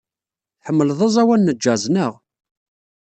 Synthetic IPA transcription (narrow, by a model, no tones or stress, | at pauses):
ħəmːəlðˤɑzˤæwænːəd͡ʒːæznəʁ